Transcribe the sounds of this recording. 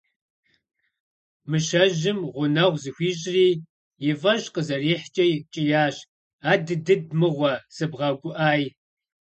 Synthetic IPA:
mɨʃɐʒɪmʁʷʊnɐʁʷzɨxʷiːʑʼriː | jɪvɐɕqəzɐriːħt͡ʃʼɐjt͡ʃʼɪjaːɕ | aːdɨdɨdmɨʁʷɔsɨbʁɐɡʷʼʊʔaːj

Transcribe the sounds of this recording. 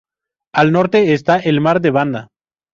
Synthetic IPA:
alno̞ɾt̪eːst̪aʔelmaɾd̪e̞βand̪a

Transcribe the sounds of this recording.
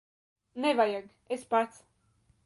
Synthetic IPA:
nevajaɡ | espat̪s

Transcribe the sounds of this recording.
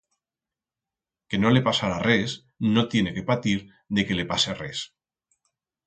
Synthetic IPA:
kenolepasaɾares | not̪jeneke̞pat̪iɾ | ðeke̞lepaseres

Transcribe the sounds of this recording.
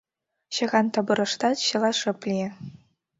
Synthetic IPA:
ɕɤ̆ɣɑnt̪ɤ̆bɤ̆ɾɤ̆ʂt̪ɑt̪ɕɤ̆lˠɑʂɤ̆plʲi

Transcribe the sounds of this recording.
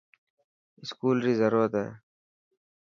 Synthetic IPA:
ɪskuːlɾiːzəɾuːɾət̪ḛː

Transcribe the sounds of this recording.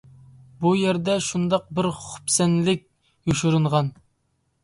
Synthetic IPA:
bujæɾd̪ɛʃund̪ɑq̚bɪɾχʊ̥psɛnlɪk̚ʲ | juʃuɾuɴʁɑn

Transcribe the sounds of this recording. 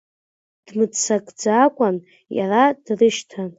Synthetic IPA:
d̥mɨt͡sʰakʼd͡zaːkʷʼan | ja̰radrɨʃtʰan

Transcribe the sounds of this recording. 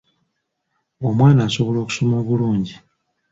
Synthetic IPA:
omwaːnaːsoβo̞lo̞ːku̥so̞moːβuluːɲɟi

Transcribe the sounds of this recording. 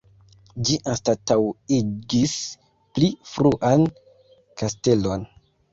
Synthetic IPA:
d͡ʒiʔanstatawid͡ʒis | plifɾuʔan | kaste̞lo̞n

